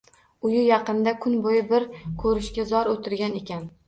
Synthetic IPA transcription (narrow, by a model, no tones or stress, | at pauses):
ʊjɪjɑqɨnd̪akʰʊnbojɪbɪɾkʰɵɾɪʃkʲazɒɾot̪ʰɪɾɡʲanekʲʰan